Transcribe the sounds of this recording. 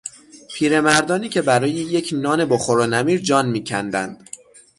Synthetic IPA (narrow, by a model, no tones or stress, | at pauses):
pʰiːɾe̞mæɾd̪ɒːniːcʰe̞bæɾɒːjeje̞cʰnɒːne̞boxoɾonæmiːɾd͡ʒɒːnmiːcʰæ̰nd̪æ̰nd̪̥